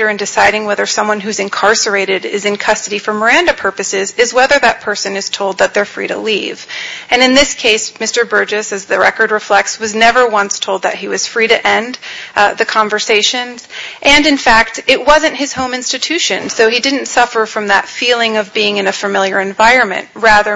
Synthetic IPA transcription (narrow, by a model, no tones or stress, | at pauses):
ə˞ɨ̃ndɨsaɪɾɪ̃ŋwɛðə˞sʌ̃mwʌ̃nɦʉzɨ̃nkʰɑɹsə˞eɪɾɪɾɪ̰zɨ̃nkʰʌstɨɾifə˞mə˞æ̃ndɨpʰɜ˞pɨsɪzɨzwɛðə˞ðɨt̚pʰɜ˞sɨ̃nɨz̥tʰoʊlˠd̪̚ðɨt̪̚ðə˞fɹḭɾə̰livɨ̃nɨ̃nðɪskʰeɪsmɪstə˞bɜ˞d͡ʒɨsɨzðɨɹɛkə˞d̚ɹɨflɛk̚tswʌznɛvə˞wʌ̃nstʰoʊlˠd̪̚ðɨ̰t̚hiwʌz̥fɹiɾɨʔɛ̃nðɨkʰɑ̃ɱvə˞seɪʃɨ̃nz̥ʔɨ̃nɨ̃nfæk̚tɨʔ̚wʌzɨ̃nt̚hɨz̥hõʊ̃mɪ̃nstɨtʰʉʃɨ̃nðoʊidɪdⁿn̩tsʌfə˞fɹʌ̃mðɨ̰tfilˠɪ̃ŋʌvbiɪ̃ŋɨ̃nɨfɨmɪlˠjə˞ɨ̃ɱvaɪɹɨ̃nmɨ̰̃nʔ̚ɹæðə˞